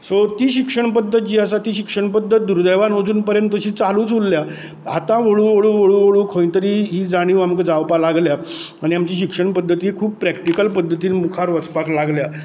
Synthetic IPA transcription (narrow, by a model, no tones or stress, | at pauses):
sot̪iːɕikʂəɳpəd̪ʱːət̪̚d͡ʑiːas̬at̪iːɕikʂəɳpəd̪ʱːət̪̚d̪uɾd̪əʋanɦod͡zuːnpəɾjənt̪ːəɕiːt͡saluːt͡sʋulːja | at̪ãʋoɭuʋoɭuːʋoɭuʋoɭuːkʰõjt̪əɾiɦiːd͡zaɽ̃iʋamkəd͡zawpalaɡlja | aɽ̃iamt͡ɕiːɕikʂəɳpəd̪ʱːət̪iːkʰuːb̚pɾɛkʈikəlpəd̪ʱːət̪iːnmukʰaɾʋət͡spaklaɡlja